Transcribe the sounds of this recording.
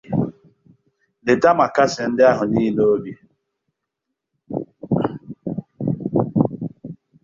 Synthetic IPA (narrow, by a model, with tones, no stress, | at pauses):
dɪ˨ta˦ma˨ka˦sɪ˨n̩˦dɪ˦a˦ɦʊ˨ni˦no˦o˦bi˦